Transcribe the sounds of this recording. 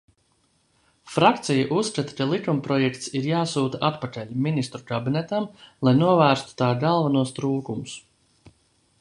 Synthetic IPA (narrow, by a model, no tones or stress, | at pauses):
fɾakt̪sʲijaʔusːkat̪ḁkalˠikumpɾɔjɛkt̪siɾjaːsuːt̪aʔat̪pakalʲminist̪ɾukabinɛt̪amlˠajnuɔvæːɾst̪u̥t̪aːɡalˠvanuɔst̪ɾuːkumus